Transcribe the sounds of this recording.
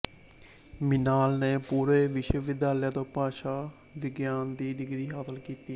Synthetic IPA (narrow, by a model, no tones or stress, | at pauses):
mɪnaːlneːpuːɾeːʋɪʃəʋɪd̪jaːljaːt̪oːpaːʃaː | ʋɪɡjaːnd̪iːɖɪɡɾiːɦaːsəlkiːt̪iː